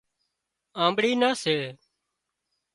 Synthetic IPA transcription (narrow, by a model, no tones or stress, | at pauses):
ãːmbɽiːnaːseː